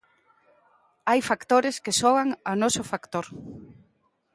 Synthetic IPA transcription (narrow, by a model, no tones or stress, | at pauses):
ajfakt̪oɾeskɪsɔɣaŋanɔsʊfakt̪oɾ